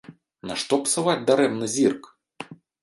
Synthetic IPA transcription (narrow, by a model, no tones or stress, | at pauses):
na̰ʂt̪ɔpsɨvad͡zʲd̪aɾɛmnɨzʲirk